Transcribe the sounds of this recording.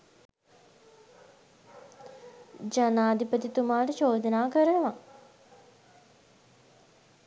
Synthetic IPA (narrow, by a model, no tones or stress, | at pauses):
d͡ʒanaːd̪ipət̪it̪umaːʈəʃoːd̪ənaːkəɾənəʋa